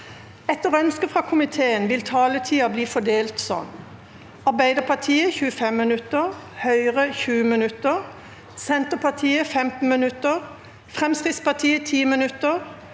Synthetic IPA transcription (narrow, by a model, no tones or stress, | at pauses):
ɛt̪əʁœnskəfʁɑːkʰʊmɪt̪ʰeːənʋɪlt̪ʰɑːlət̪ʰiːɑbliːfɔd̪eːlt̪sɔ̰n | ɑʁbæɪd̪əpʰɑt̪ʰiːəçʉːəfɛmːɪnʉt̪ːəʁhœʏʁəçʉːəmɪnʉt̪əʁ | sɛnt̪əpʰɑt̪ʰiːəfɛmt̪n̩mɪnʉt̪əʁ | fʁɛmskʁɪt̪spɑt̪ʰiːət̪ʰiːmɪnʉt̪əʁ